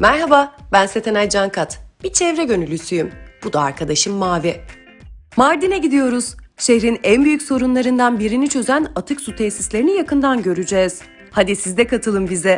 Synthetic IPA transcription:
mæɾɦababænset̪ʰenajd͡ʒankʰat̪b̥it͡ʃʰɛvɾɛɟø̞nylʲysyjymb̥ud̪aa̰ɾkʰad̪aʃɯmːaːvɛ | maɾd̪inɛɟid̪ijo̞ɾuz̥ʃehɾinænbyjycso̞ɾunlˠaɾɯnd̪anbiɾinit͡ʃʰø̞zænat̪ʰɯksut̪ʰɛsislʲe̞ɾinijakɯnd̪anɟø̞ɾyd͡ʒɛːz̥ | had̪isizd̪ɛkʰat̪ʰɯlˠɯmbizɛ

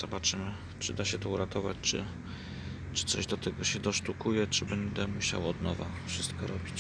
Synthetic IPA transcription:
z̥ɔbat͡ʂɘmɘ | t͡ʂɘd̪aɕɛt̪ɔuɾat̪ɔvat͡ɕt͡ʂɘ̰ | t͡ʂɘ̥t̪sɔʑd̪ɔt̪ɛɡɔɕɛd̪ɔʂt̪ukujɛt͡ʂɘbɛnd̪ɛmuɕa̰wɔd̪nɔva̰fʂɘst̪kɔɾɔbʲit͡ɕ

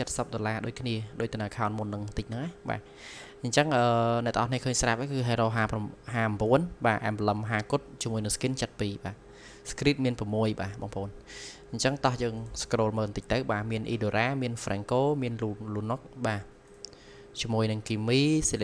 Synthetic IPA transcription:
t͡ɕət̪̚səp̚ɗolaːɗoːc̚kʰniəɗoːc̚t̪ənaəkʰaɔnmunːɨŋt̪ɨc̚nɨŋʔaɓa̰ː | ɲt͡ɕəŋʔəːnɛ̆ʔt̪ə̆ŋʔɑnihkʰəːɲsrap̚ʔakɨːɦeːɾoːɦaːpmɦaːmbuənɓaːʔa̰ɛmbələmɦaːkut̪̚t͡ɕiəmuəjnɨŋskint͡ɕət̪̚piːɓaː | skriːt̪̚miənprɑmːuəjɓaːɓɑ̰ːŋpʰʔoːn | ɲt͡ɕəŋt̪ɑhjəːŋskroːlməːnt̪ɨc̚t̪ɨwɓaːmiənʔiːɗoːɾaːmiənfrɛːŋkoːmiənulunok̚ɓaː | t͡ɕiəmuəjnɨŋkiːmiːsele

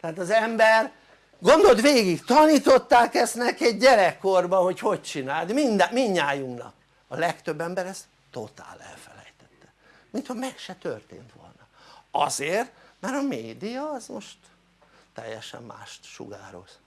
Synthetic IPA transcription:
t̪ɛaːt̪ɒzɛmbɛr | ɡo̞nd̪o̞lt̪ʋeːɡikt̪ɒniːt̪o̞t̪ːaːkɛsnɛkɛɟɟɛɾɛkːorbɒho̞cho̞c̚t͡ʃinaːld̪mind̪ɛmiɲːaːjuŋknɒ̰k̚ | ɒlɛkt̪øbːɛmbɛɾɛs | t̪o̞t̪a̰ːlɛ̰lfɛlɛ̰jt̪ɛt̪ːɛ̥ | mint̪hɒmɛkʃɛt̪ø̰rt̪ḛːnt̪ʋo̞̰lnɒɒ̰zeːrt̪mɛɾɒmeːd̪ijɒːzmo̞ʃt̪ | t̪ɛ̰jːɛʃɛ̰mːa̰ːʃt̪ʃṵɡaːɾo̞̰z

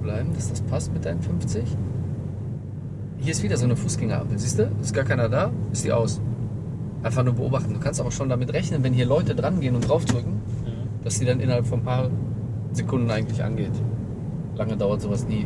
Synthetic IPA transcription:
blaɪbm̩dasd̥aspʰastmɪt̚d̥aɪnənfʏmft͡sɪç | hiːɐɪstv̥iːdɐzoːnəfuːsɡ̥ɛŋəʔa̰pəziːstd̥uːɪst̚ɡ̥aːɐkʰaɪnɐdaːɪstḭːʔa̰ʊs | ʔaɪnfaχnuːɐbəʔo̰ːbaχtn̩duːkʰanstʔaːbɐʃoːndamɪtʁɛçnənvɛnɦiːɐlɔʏtədʁanɡeːənʊntd̥ʁaʊfd̥ʁʏkŋ̩ | d̥asd̥iːdanʔɪ̰nɐhalpfɔnpʰaːɐ | z̥ekʰʊndn̩aɪɡŋ̩tlɪçʔa̰nɡeːt | laŋədaʊɐtz̥oːvasniː

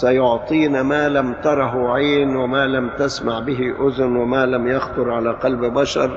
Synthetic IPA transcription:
sajʊʕt̪ˤiːnamaːlamt̪ɑɾˤɑɦʕeːnwɪmaːlamt̪asmaʕbɪɦɪʔʊzʊnwɪmaːlamjɑxt̪ˤʊɾˤʕalaːqɑlbbaʃɑ̰ɾˤ

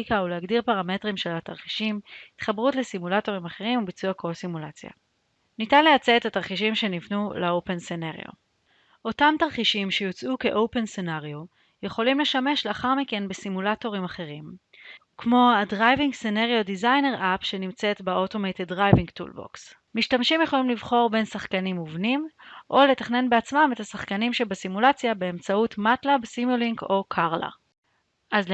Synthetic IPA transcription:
ikaulehaɡdiʁpaʁame̞tʁimʃelataʁχiʃimhitχabʁutlesimulato̞ʁimaχeʁimubit͡suakosimulat͡sja̰ | nitanlejat͡seetataʁχiʃimʃe̞nivnuleowpe̞nsenaʁj̰o̰ | ʔo̞tamtaʁχiʃimʃejot͡sʔuke̞ʔo̞wpe̞nsenaʁjo | je̞χo̞limle̞ʃame̞ʃleaχaʁmike̞nbesimulato̞ʁimaχe̞ʁim | kmo̞adʁajviŋɡsenaʁijodizajne̞ʁʔapʃe̞nimt͡se̞tbeoto̞mejt̪edʁajviŋɡtṵlbo̰ks | miʃtamʃimjeχo̞limlivχo̞ʁbensaχkanimuvnimʔo̞le̞taχne̞nbeat͡smame̞tasaχkanimʃebesimulat͡sjabe̞ːmt͡sautmatlabsimjuliŋɡo̞kʰaʁla̰ | ʔaz

